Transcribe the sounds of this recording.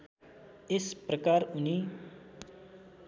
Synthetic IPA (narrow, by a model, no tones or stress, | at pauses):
espɾəkaːɾuni